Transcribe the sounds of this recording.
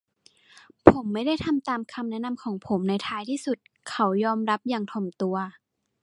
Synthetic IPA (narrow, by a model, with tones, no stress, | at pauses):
pʰo˩˦mːa˥˩jda˥˩jt̪ʰa˧mt̪aː˧mkʰa˧mnɛ˦˥na˧˨mkʰɔː˩˦ŋpʰo˩˦mna˧jt̪ʰaː˧jt̪ʰiː˥˩su˨˩t̪̚ | kʰa˨˦wjɔː˧mɾa˦˥p̚jaː˨˩ŋt̪ʰo˨˩mt̪u˧ɐ